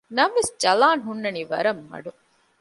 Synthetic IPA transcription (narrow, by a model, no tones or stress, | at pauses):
nɐmʋesd͡ʒɐlaːnɦunːɐniʋɐ̰ɾɐmːɐ̰ɖu